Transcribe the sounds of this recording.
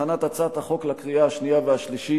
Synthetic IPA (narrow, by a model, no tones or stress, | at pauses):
anat̪at͡sat̪haχo̞klakʁijaaʃnijaveaʃliʃi